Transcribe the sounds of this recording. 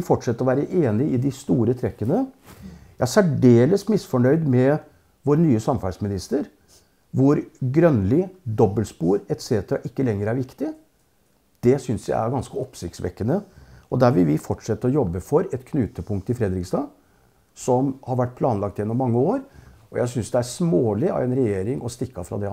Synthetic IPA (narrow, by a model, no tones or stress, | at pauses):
ɪfɔʈʂɛt̪ːəɾɔʋæːɾəʔeːnɪɪd̪ɪst̪uːɾət̪ʰɾɛkːənə | jææsæɖeːləsmɪsfɔɳœʏd̪mɛ | ʋoːɾnyːəsɑmfæɖsmɪnɪst̪əɾ | ʋʊɾɡɾœnlɪd̪ɔbːəlspuːɾɛt̪seːt̪əɾɑ̰ʔɪkːəlɛŋːəɾæɾʋɪkt̪ɪ | d̪̥ɛsʏnsjæ̰ɪæɾɡɑnskəɔpsɪkt̪sʋɛ̰kːənəɔd̪æɾʋɪlʋɪfɔʈʂɛt̪ːəɔjɔbːəfɔɾɛt̪kʰnʉːt̪əpʊŋkt̪ɪfɾɛd̪ɾɪksd̪ɑː | sɔmhɑɾʋæʈ̚ːpʰlɑːnlɑk̚t̪jɛnːʊmːɑŋːəoːɾ | ɔjæɪs̬ʏnsd̪ɛæsmoːlɪɑ̰ʋɛnɾɛjeːɾɪŋɔst̪ɪkːɑfɾɑ̰d̪ɛ